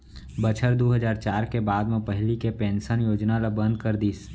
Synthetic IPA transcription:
bət͡ʃʰəɾd̪oːɦəd͡ʒaːɾt͡ʃaːɾkebaːd̪mẽpəɦlikepẽːnsənjoːd͡ʒnalabə̃nd̪̚kəɾd̪iːs

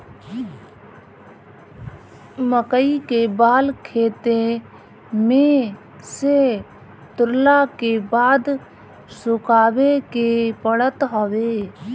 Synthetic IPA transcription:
məkəikebaːlkʰeːt̪e | mẽ | se | t̪ʊɾlakebaːd̪ | sʊkʰaːwekepəɽət̪ɦoʋeː

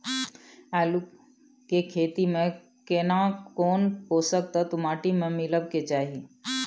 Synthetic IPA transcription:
alu | kekʰeːt̪imẽ | kenakoːnɦosək̚t̪at̪ʊmaːʈimẽmɪləbket͡ʃaːɦi

